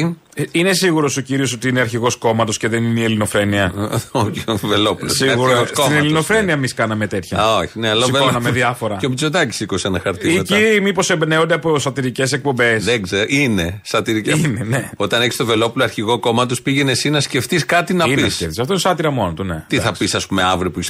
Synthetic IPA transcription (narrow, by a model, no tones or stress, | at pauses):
ine̞siɣuɾo̞so̞ciɾio̞s̬o̞t̪iineɐɾçiɣo̞sko̞mɐt̪o̞sce̞ðe̞ninielino̞fe̞niɐovelopulosiɣuɾossoinelino̞fe̞niɐemiskɐnɐme̞t̪e̞t̪çɐoçineɐlosionɐmeðiɐfo̞ɾɐeopit͡soðɐci̥sikosɐnɐxɐɾt̪iicimipo̞se̞mbne̞ond̪eɐpo̞sɐt̪iɾice̞se̞k̚po̞mbe̞sðeɡzeɾinesɐt̪iɾiceineneot̪ɐneçi̥st̪ove̞lo̞puloɐɾçiɣo̞ko̞mɐt̪ospiʝenesinɐsce̞ft̪iskɐt̪inɐpiniesceft̪isɐft̪oinesɐt̪iɾɐmo̞not̪unet̪iθɐpisɐspume̞ɐvɾiopuis